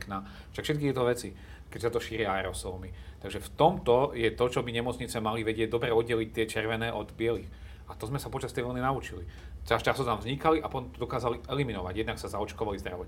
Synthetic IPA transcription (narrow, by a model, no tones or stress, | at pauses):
kna | ʃakfʃɛt̪̚kit̪jɛt̪ɔʋɛt͡si | kɛcsat̪ɔʃiːɾɪaaɛɾɔsɔːmit̪aɡʒɛft̪ɔmt̪ɔjɛt̪ɔt͡ʃɔbiɲɛmɔt͡sɲit͡sɛmaliʋɛɟɪɛɟ̚d̪ɔbɾɛɔd̪ɟɛlic̚t̪ɪɛt͡ʃɛɾʋɛnɛːʔɔd̪bɪɛlix | ʔat̪ɔzmɛsapɔt͡ʃast̪ɛjʋɛlninaut͡ʃili | t͡sast͡ʃasɔt̪amvzɲikaliʔapɔt̪ɔmt̪ɔd̪ɔkaːzaliʔɛliminɔʋaɟjɛd̪naksazaɔt͡ʃkɔʋalizd̪ɾa̰ʋɔ